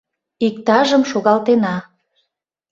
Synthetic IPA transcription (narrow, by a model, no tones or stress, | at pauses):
ik̚t̪ɑʒəmʃoɣɑlt̪enɑ